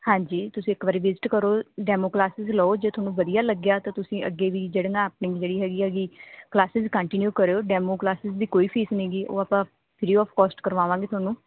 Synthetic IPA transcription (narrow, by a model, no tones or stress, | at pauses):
hãːɲd͡ʒiːt̪ʊsĩːɪkbaːɾiːʋɪzɪʈkəɾoːɖɛːmoːklaːsɪzlɔod͡ʒeːt̪ʰʊaːnũːʋəd̪ijaːləɡjaːt̪ãːt̪ʊsĩːʔəɡːeːʋiːd͡ʒeːɽə̃ŋɡãːpniːd͡ʒeːɽiːɦɛːɡiːɦɛːɡiːklaːsɪzkə̃ɳʈɪnjuːkəɾeːoːɖɛːmoːklaːsɪzd̪iːkoːiːpʰiːsnĩːɡiːʔo̰ːaːpãː | pʰɪɾiːɔːpʰkɔːsʈkəɾʋaːʋãːɡeːt̪ʊaːnũː